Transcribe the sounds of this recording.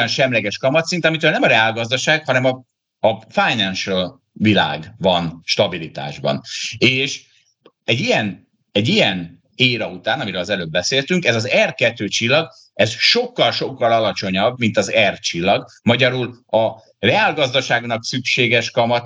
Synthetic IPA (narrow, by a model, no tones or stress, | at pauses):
ɒnʃɛmlɛɡɛʃkɒmɒt̪sint̪ɛɒmit̪øːlnɛmɒɾɛaːlɡɒzd̪ɒʃaːɡ̥hɒnɛmɒ | ɒfajnɛnʃøl | vila̰ːɡvɒnʃt̪ɒbilit̪a̰ːʒbɒ̰neːʃ | ɛɟijɛn | ɛɟijɛn | eːɾɒut̪aːnɒmiɾøːlɒzɛløːbːɛseːlt̪yŋkɛzɒzɛrkɛt̪ːøːt͡ʃilːɒɡ | ɛzʃo̞kːɒlʃo̞kːɒlɒlɒt͡ʃo̞ɲɒbmint̪ɒzɛrt͡ʃilːɒɡ | mɒɟɒɾulɒ | rɛaːlɡɒzd̪ɒʃaːɡnɒksykʃeːɡɛʃkɒmɒt̪